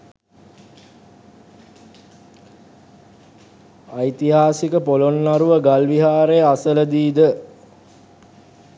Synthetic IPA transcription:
ajt̪iɦaːsikəpolonːaɾuʋəɡalʋiɦaːɾejəasələd̪iːd̪ə

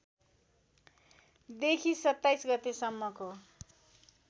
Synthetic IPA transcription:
d̪ekʰisʌt̪ːajsɡʌt̪esʌmːʌko

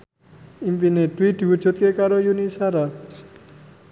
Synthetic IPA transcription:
impineʈːwiʈbut͡ʃʰot̪kekaɾojunisaɾa

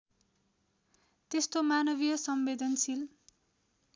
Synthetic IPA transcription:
t̪est̪omanʌbijʌsʌmbed̪ʱʌnsil

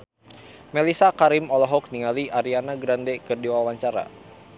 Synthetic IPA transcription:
mɛlisakaɾimɔlɔɦɔk̚niŋaliʔaɾianaɡɾandɛkɨrdiwawaɲt͡ʃaɾa̰

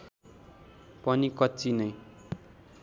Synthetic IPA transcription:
pʌnikʌt͡sinʌj

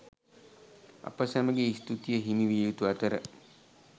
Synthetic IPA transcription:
a̰pəsæməɡeist̪ut̪ijəɦimiʋijut̪uat̪əɾə

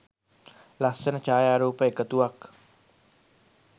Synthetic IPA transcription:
lasənat͡ʃajaɾopekət̪uak

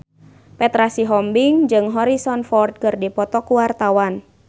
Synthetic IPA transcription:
pɛt̪ɾasiɦɔmbiŋd͡ʒɨŋɦɔɾisɔnfɔrt̪̚kɨrdipɔt̪ɔkuwart̪awan

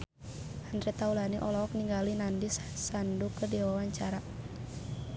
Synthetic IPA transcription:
hand̪ɾɛt̪aulaniʔɔlɔk̚niŋɡalinandissandukədiwawaɲt͡ʃaɾa

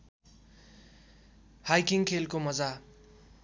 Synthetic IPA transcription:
hajkiŋkʰelkomʌd͡za

